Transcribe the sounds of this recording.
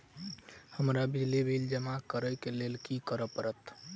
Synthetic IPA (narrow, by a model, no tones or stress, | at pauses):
həmɾabid͡ʒlibild͡ʒəmakəɾəjkelelkikəɾəpəɾət̪